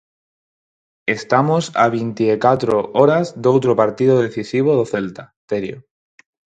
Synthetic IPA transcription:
e̞st̪amosa̰β̞int̪iekat̪ɾoʔoɾazd̪owt̪ɾopaɾt̪iðoðeθisiβ̞oðoθelt̪a | t̪eɾjo

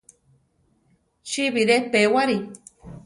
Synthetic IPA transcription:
t͡ʃiβiɾepewaɾi

